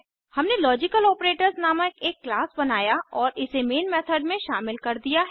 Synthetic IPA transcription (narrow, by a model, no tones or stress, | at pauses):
hɐmnelɔːd͡ʒɪkəlɔːpɾeːʈəɾznaːmakeːkːlaːsbɐnaːjaɔːɾʔɪsemeːnmɛːt̪ʰəɖmẽʃaːmɪlkɐɾd̪ijaɦ